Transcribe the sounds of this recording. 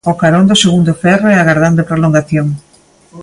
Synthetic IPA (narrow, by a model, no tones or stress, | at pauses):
okaɾond̪oseɣund̪ofɛroeaɣaɾðand̪epɾoloŋɡaθjoŋ